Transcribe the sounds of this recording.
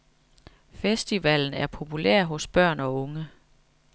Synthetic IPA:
fesd̥iʋæl̰n̩æɐpʰo̝pʰulḛɐ̰ɦɔ̽sb̥ɶɐ̰nɒ̽ɔ̽ŋə

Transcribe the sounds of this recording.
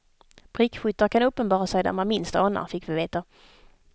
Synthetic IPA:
b̥ɾɪkɧʏt̪ːəɾkʰanɵpːənbɑːɾasɛjd̪a̰ɾmanmɪnst̪ɑːna̰fɪkːvɪveːt̪a

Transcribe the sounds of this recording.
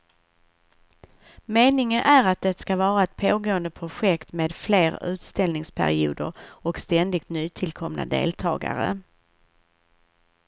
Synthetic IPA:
meːnɪŋənʔæɾat̪̚d̪ɛt̪skavɑːɾaɛt̪̚pʰoːɡoːənd̪əpʰɾʊɧɛkt̪meːd̪fleːɾʉ̟ːt̪st̪ɛlnɪŋspʰæ̰ɾɪṵːd̪əɾɔkst̪ɛnd̪ɪk̚t̪nyːt̪ʰɪlkʰɔmnʔa̰d̪ḛːlt̪ʰɑːɡa̰ɾə̰

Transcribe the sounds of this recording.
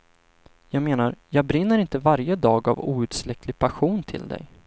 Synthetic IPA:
jɑːɡmeːnaɾjɑːɡ̚bɾɪnːəɾɪnt̪əvaɾjəd̪ɑːɡa̰vṵːʉ̟ːt̪slɛkʰlɪɡ̚pʰaɧuːnt̪ʰɪ̰ld̪ɛ̰j

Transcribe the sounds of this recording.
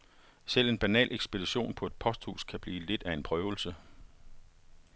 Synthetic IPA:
sel̰e̝nb̥ænɛ̰ːlʔeɡ̥sb̥e̝d̥iɕo̝̰ːnpʰɒ̽e̝d̥̚pʰɒ̽sd̥hṵːskʰæb̥liːle̝d̥æe̝npʰʁœːʊl̩sə

